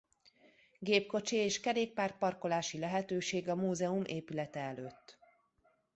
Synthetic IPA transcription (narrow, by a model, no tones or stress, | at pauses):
ɡeːpko̞t͡ʃieːʃkɛɾeːk̚paːrt̪̚pɒrko̞laːʃilɛɦɛt̪øːʃeːɡɒmuːzɛumʔeːpylɛt̪ɛɛløːt̪ː